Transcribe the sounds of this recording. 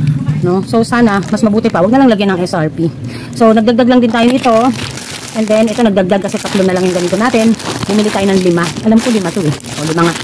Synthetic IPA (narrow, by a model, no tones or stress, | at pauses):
no̞so̞saːnɐmɐsmɐbuːt̪ɪpɐwɐɡ̚nlaŋlɐɡjanɐŋʔɛsaɹpi | so̞nɐɡd̪ɐɡ̚d̪aɡlɐŋd̪ɪnt̪aːjonɪt̪o̞ | ʔɛnd̪ɛnʔɛt̪o̞nɐɡ̚d̪ɐɡ̚d̪aɡ̚kɐsɛt̪ɐk̪lonɐlaŋjʊŋɡɐniːt̪o̞naːt̪ɪnbʊmiːlɪt̪aːjonɐŋlɪmaʔɐlamkolɪmat̪oʔɛ | ʔolɪmaŋa